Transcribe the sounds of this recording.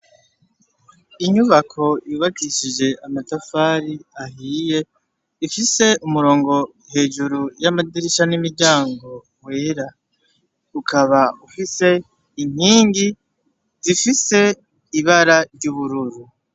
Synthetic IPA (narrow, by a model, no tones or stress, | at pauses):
iɲuβakʰo̞jiβakiʃid͡ʒe̞ʔamatafaːɾiahiːje̞ | ifise̞umuɾo̞ːŋɡo̞ | he̞ːʒuɾujamadiɾiʃanimiɾɟaːŋɡo̞ | weːɾa | ukʰaβaufise̞ | iɲ̥hiːŋɡi | zifise̞ | iβaɾaɾɟuβuɾuɾu